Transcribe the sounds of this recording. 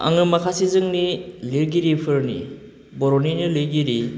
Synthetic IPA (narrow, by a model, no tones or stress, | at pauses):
a̰ŋɯmakʰasizɯŋniliɾɡiɾipʰɯɾnḭ | bɔɾɔninilɯɡiɾi